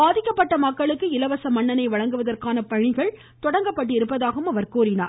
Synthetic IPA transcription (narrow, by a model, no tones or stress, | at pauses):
baːðɪkːɐpːɐʈːɐmɐkːɐɭɯkːɯɪlɐʋɐsɐmɐɳːɐnɐɪʋɐɻɐŋɡɯʋɐðɐrkaːnɐpɐɻɪɣɐɭ | t̪ɔɽɐŋɡɐpːɐʈ̬ːɯɪɾɯpːɐðaːɣɐɯmɐʋɐɾkuːɾɪna̰ː